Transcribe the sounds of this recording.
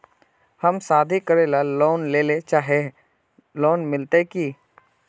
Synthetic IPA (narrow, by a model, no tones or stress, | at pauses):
həmsaːd̪ʱikəɾeːlaloːnleːlet͡ʃaːɦe | loːnmɪlt̪eki